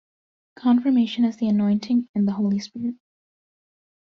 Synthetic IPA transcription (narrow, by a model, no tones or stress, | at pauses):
kʰɑ̃nfə˞meɪʃɨ̃nɨzðiɨnɔ̃ɪ̃ntʰɪ̃ŋɨ̃nðəɦoʊlˠispɪɹɪt̚